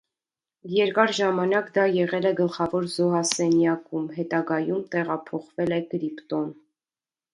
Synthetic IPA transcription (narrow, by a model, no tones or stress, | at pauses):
jɛɾkɑɾʒɑmɑnɑkd̪ɑjɛʁɛlɛɡəlχɑvɔɾzɔɦɑsɛnjɑkumɦɛt̪ɑɡɑjumt̪ɛʁɑpʰɔχvɛlɛɡəɾipt̪ɔn